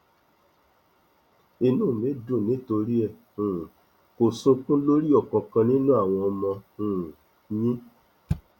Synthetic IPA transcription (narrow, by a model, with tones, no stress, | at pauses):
i˧nũ˦˨mẽ˨˦dũ˦˨nĩ˨˦to˧ɾi˦ɛ˧˨ | ũ˨ | ko˨sũ˧kũ˦lo˦ɾi˦ɔ˦˨kɔ̃˨kã˧nĩ˦nũ˦a˦˨w̃ɔ̃˧ɔ˧mɔ̃˧ũ˨ | ɲĩ˦